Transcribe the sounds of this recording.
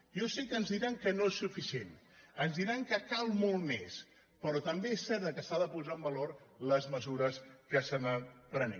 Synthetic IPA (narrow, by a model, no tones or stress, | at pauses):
josikənzðiɾaŋkənoesːufisien | ənzðiɾaŋkəkalˠmolˠmes | pəɾɔt̪əmbeesːɛɾt̪d̪əkəsaðəpuzaəmbəlorləzməzuɾəskəsənəpɾənḛ